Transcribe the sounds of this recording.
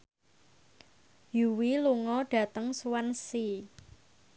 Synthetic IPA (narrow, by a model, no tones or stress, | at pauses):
juwiluŋɔɖ̥ä̤t̪əŋsuwansi